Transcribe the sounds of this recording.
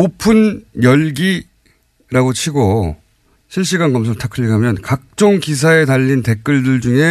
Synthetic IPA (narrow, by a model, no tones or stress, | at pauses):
opʰɯnjʌɭɡi | ɾaɡot͡ɕʰiɡo | ɕʰiɭɕ͈iɡanɡʌms̬ʰɯɭtʰakʰɯʎːiɡɦamjʌnkak̚t͡ɕ͈oŋkis̬ʰae̞taʎːinte̞k͈ɯɭdɯɭd͡ʑuŋe̞